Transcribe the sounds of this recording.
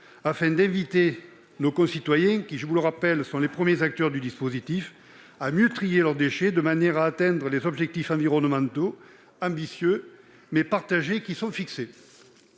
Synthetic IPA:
afɛ̃d̪ɛ̃vit̪e | nokɔ̃sit̪wajɛ̃kʲiʒəvuləʁapɛlsɔ̃lepχəmjezak̚t̪œʁd̪yd̪ispozit̪if | amjøt̪χijelœʁd̪eʃed̪əmanjɛʁaːt̪ɛ̃nd̪ʁəlezɔbʒɛk̚t̪ifɑ̃viʁɔnəmɑ̃t̪o | ɑ̃bisjø | mɛpaʁt̪aʒekisɔ̃fikse

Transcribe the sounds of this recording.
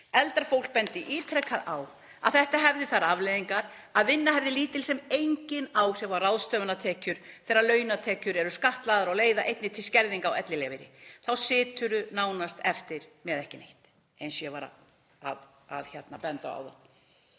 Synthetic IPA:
ɛlt̪aɾfowl̥k̚pɛnt̪ɪʔiːt̪ʰɾɛkʰːaðaw | a̰ðθɛht̪aɦɛvðɪθaɾavleːjðiŋkaɾ | aðvɪnːaɦɛvðɪliːt̪ɪlsɛmejɲcɪnawsɛvarawðst̪œːvʏnat̪ʰɛːcʏɾ̥θɛːɾaɾlœːɥjnat̪ʰɛːcʏɾɛɾʏskaht̪laðʏɾaɣleːjðaʔejt̪nɪt̪ʰɪlscɛɾðiŋkawɛt̪lɪlɛvɪɾɪ̰θawsɪːt̪ʏɾʏnaːwnast̪ɛft̪ɪɾ̥mɛðɛhcɪnḛjht̪ | ensjɛvaːɾa̰ | að | a̰ðçat̪napɛnt̪a̰a̰wða̰n

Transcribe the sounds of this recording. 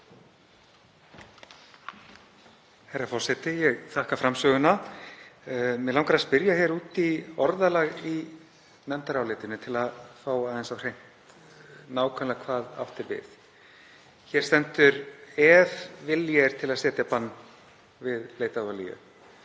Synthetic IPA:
hajɾafɔr̥sɛt̪ɪjɛɣθʰahkafɾamsœːɣʏna | mɛðlawŋkaɾaspɪɾjaçɛɾuːt̪iɔɾðalaɣi | mɛnt̪aɾawleːt̪ɪnʏt̪ʰɪlaðfaːwaːðɛnsawr̥ejm̥t̪ | naːwkʰœnlakʰvaːða̰ft̪ɪɾvɪ̰θ | çɛɾ̥st̪ɛnt̪ʏɾɛvvɪljɛɾ̥t̪ʰɪlaðsɛːt̪japanː | vɪðleːjt̪avalḭjʏ̰

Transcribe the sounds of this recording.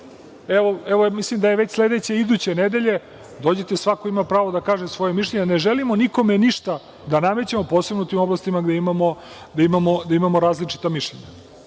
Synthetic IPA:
eʋoeʋomislimd̪aje̞ʋet͡ɕsle̞d̪et͡ɕeid̪uːt͡ɕened̪e̞ʎe̞ | d̪od͡ʑet̪e̞sʋakoimapɾaːʋo̞d̪akaːʒemsʋo̞jemiʃ̬ʎʲeɲeneʒelimo̞niko̞meniʃt̪a | d̪anamet͡ɕemo̞poːsebnout̪imo̞blast̪imaɡd̪eimamo̞ | d̪aimamo̞d̪aimamoɾaːzlit͡ʂi̥t̪amiʃʎeɲa

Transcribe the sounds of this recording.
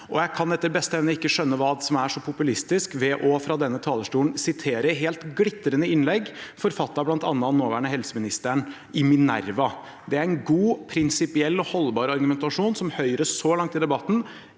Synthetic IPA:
ʔɔjæɪkʰɑnɛt̪ːəɾbɛst̪əɛʋnəɪkːəʂœnːəʋɑːd̪sɔmæʂɔpʰʊpʉlɪst̪ɪskʋɛʔɔfɾɑd̪ɛnːət̪ʰɑːləʂʈuːnsɪt̪ʰeːɾəɦeːlt̪ɡlɪt̪ːəɾənəɪnlɛɡfɔɾfɑt̪ːɑblɑnt̪ɑ̰nːənːoːʋæːɳəhɛlsəmɪnɪst̪əɳ | ɪmɪnæ̰ɾʋɑ | d̪ɛæɾɛnɡuːpʰɾɪnsɪpɪɛlːɔhɔlːbɑːɾɑɾɡʉmɛnt̪ɑʂuːnsɔmhœʏɾəʂɔlɑŋt̪ɪd̪ɛbɑt̪ːn̩

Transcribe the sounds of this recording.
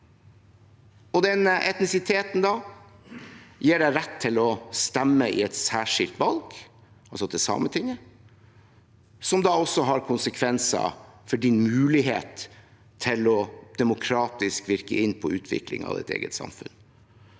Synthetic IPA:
ɔd̪ɛnəʔɛt̪nɪsɪt̪ʰeːt̪n̩d̪ɑː | jeːɖæɪɾɛt̪ʰːɪlɔst̪ɛmːəɪɛt̪sæːʂɪlt̪ʋɑlɡ̥ | ʔɑlsɔd̪ɛsɑ̰ːmət̪ʰɪŋːə | sɔmd̪ɑːɔsːɔɦɑɾkʰʊnsəkʰʋɛnsɑ̰fɔɖɪnmʉːlɪɦḛːt̪ʰː | ɪlɔd̪̥ɛmʊkʰɾɑːt̪ɪskʋɪɾkəɪnːpʰɔʉːt̪ʰʋɪ̰klɪ̰ŋɑ̰ːʋɛ̰t̪ḛːɡət̪sɑ̰mfʉ̰n

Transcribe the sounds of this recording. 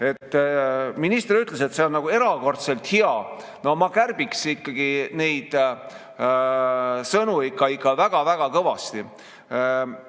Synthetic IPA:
e̞t̪ːminist̪eɾyt̪ːˑle̞s̬e̞t̪seonnɑɡue̞ɾɑko̞rt̪se̞lt̪hiɑ | no̞mɑkærb̥iksikːɑɡ̥ine̞jd̪̥ | sɤnuikˑːɑikːˑɑvæɡ̥ɑvæɡ̥ɑkɤvɑst̪i

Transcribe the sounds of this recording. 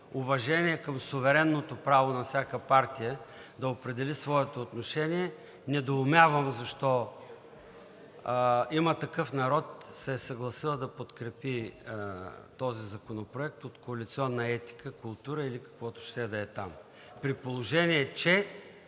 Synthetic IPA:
ʊvɐʒɛniɛkəmsʊvɛɾɛnːot̪opɾavonɐfsʲjakəpaɾt̪ijəd̪ɐopɾɛd̪ɛlisvɔɛt̪oːt̪noʃɛniɛ | nɛd̪oːmʲavəmzɐʃt̪ɔ | imət̪ɐkɤfnɐɾɔt̪sɛsɐɡlˠɐsilˠəd̪ɐpot̪kɾɛpi | t̪ɔzizɐkonopɾoɛk̚t̪ot̪koɐlit̪siɔnːɐɛt̪i̥kəkʊlˠt̪uɾəilikɐ̥kvɔt̪ʊ̥ʃt̪ɛd̪ɐɛt̪am | pɾipolˠoʒɛniɛt͡ʃɛ

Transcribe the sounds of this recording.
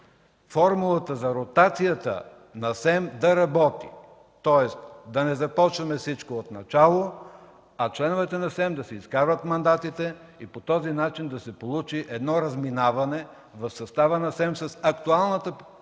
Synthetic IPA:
fɔɾmulˠət̪əzɐɾot̪at̪sijət̪ə̰ | nɐsɛmd̪ɐɾɐbɔt̪ḭ | t̪ɔɛst̪d̪ɐnɛzɐpɔt͡ʃvɐmɛfsit͡ʃkoot̪nɐt͡ʃalˠo | ɐt͡ʃlɛnovɛt̪ɛnɐsɛmd̪ɐsɛiskaɾvət̪mɐnd̪at̪it̪ɛ | ipot̪ɔzinat͡ʃind̪ɐsɛpolˠut͡ʃiʔɛd̪nɔɾɐzminavɐnɛ | vɐfsɐst̪avənɐsɛmsɐsɐkt̪ualˠnət̪ə

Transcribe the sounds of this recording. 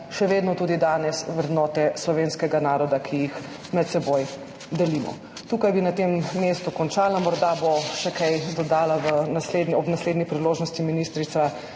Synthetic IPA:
ʃɛʋeːd̪nɔt̪uːd̪id̪aːnɛsʋɾɛd̪nɔːt̪ɛslɔʋeːnskɛɡanaːɾɔd̪akʰijix | mɛt̪̚sɛboj | d̪ɛlimɔ̰ | t̪uːkajbinat̪emːeːst̪ukɔnt͡ʃaːlamɔɾd̪aboʃɛkajd̪ɔd̪aːlaʋənasleːd̪nɔbnasleːd̪nipɾiloːʒnɔst̪iminist̪ɾit̪sa

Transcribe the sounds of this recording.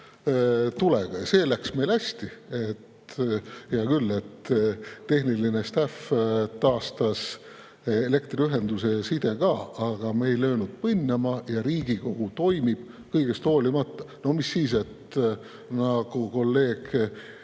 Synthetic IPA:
t̪uleɡ̥ɑjɑse̞ːlæksme̞jlæsʲt̪ie̞t̪ | jɑkylːe̞t̪ː | e̞hnilinest̪æft̪ɑːst̪ɑs | ele̞kt̪riyɦe̞nd̪̥use̞sid̪̥e̞kɑːɑɡ̥ɑme̞jløːnud̪̥̚pɯnʲːɑmɑjɑɾiːɡ̥iko̞ɡ̥ut̪o̞jmib̥ | kɤjɡ̥e̞st̪o̞ːlimɑt̪ːˑɑ̥no̞hmisːiːs̬e̞t̪ | nɑɡ̥uko̞lːe̞ːɡ̥

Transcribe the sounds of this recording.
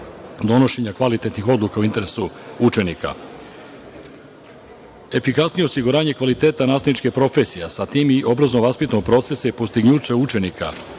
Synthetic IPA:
d̪o̞no̞ʃeɲakʋalit̪et̪nixo̞d̪lˠukauint̪e̞ɾesuut͡ʃe̞nika̰ | e̞fikasnije̞o̞siɡuɾaːɲe̞kʋalit̪e̞ːt̪anaːst̪anit͡ʃkepɾo̞fesijasat̪imiʔo̞bɾaznoʋaspit̪noɡ̚pɾo̞t̪se̞sajipost̪iɡɲuːt͡ɕeut͡ʃe̞nikʰa̰

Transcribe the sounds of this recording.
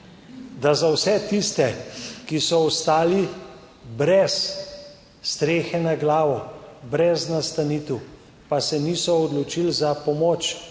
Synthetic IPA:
d̪azawsɛt̪ist̪ɛkisɔɔst̪aːli | bɾɛsː | t̪ɾeːxɛnaɡlaːʋɔbɾɛznast̪aniːt̪w | pasɛniːsɔːd̪lɔt͡ʃilzapɔmɔːt͡ʃ

